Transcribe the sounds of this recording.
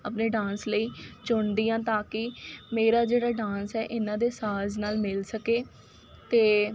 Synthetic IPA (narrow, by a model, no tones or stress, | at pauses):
əpneːɖãːnsləiːt͡ʃʊɳd̪ijãːt̪aːkɪmeːɾaːd͡ʒeːɽaːɖãːnsɛːʔɪnãːd̪eːsaːznaːlmɪlsəkeː | t̪eː